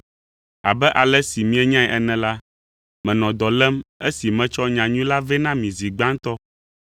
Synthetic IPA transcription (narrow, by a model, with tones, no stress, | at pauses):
a̰˨bɛ˦ʔa˨lɛ˦si˨mĩ˦ɛ˦ɲã˦ɛ˨ʔɛ˨nɛ̃˨la˦ | mɛ̃˨nɔ̃˨d̪ɔ˨lɛ˦me˦si˨mɛ̃˨t͡ʃɔ˦ɲã˨ɲũ˦la˦vɛ˦nã˦mĩ˨zi˨ɡ͡bã˦ŋ˦t̪ɔ˦